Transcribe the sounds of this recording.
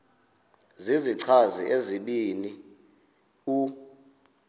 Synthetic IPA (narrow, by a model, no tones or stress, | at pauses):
ziziǀʰazḭʔeziɓini | u